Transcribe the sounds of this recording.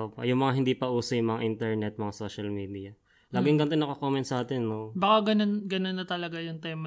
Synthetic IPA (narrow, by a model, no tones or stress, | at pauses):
ʔoːpo̰jʊŋmɐŋaɦɪnd̪iːpɐʔuːsɐjʊŋmɐŋaʔint̪ɛɹnɛt̪̚mɐŋasoːʃɐlmiːd̪ijɐ | laːɡɪŋɡɐnt̪ɛnɐkokoːmɛnt̪sɐʔaːt̪ɛnːobakaɡɐnonɡɐnonːɐt̪ɐlɐɡajʊŋt̪ɛːmɐ